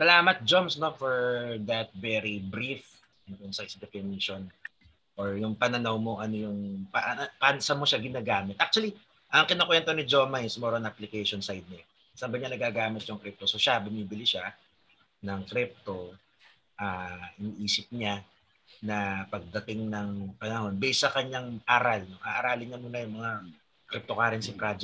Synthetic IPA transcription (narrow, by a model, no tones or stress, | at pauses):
sɐlaːmɐt̪̚d͡ʒomsno̞fɔɹd̪ɐt̪̚vɛɾibɾif | ɐnt̪onsajsd̪ɛfɪniʃon | ʔoɹjʊŋpɐnɐnɐwmo̞ŋʔɐno̞jʊŋpaʔpansɐmoʃaɡɪnaːɡaːmɪt̪ʔak̚t͡ʃʊɐli | ʔɐŋkɪnɐkojɐnt̪onɪd͡ʒo̞ːmɐɪsmoɾonaplɪkɛjʃonsajd̪̚mɐ | sɐbɐɲanɐɡaːɡaːmɪt̪̚jʊŋkɾip̚t̪osoʃabɪniːbɪlɪʃa | nɐŋkɾip̚t̪o̞ | ʔaːʔɪniːʔiːsɪp̚ɲa | nɐpɐɡ̚d̪ɐt̪ɪŋnɐŋpɐnɐho̞nbɛsɐkɐɲaŋʔaːɾɐlnoʔaʔɐɾaːlɪɲɐmunɐjʊŋmɐŋa | kɾɪp̚t̪okaːɾɪnsɪpɾad͡ʒɛ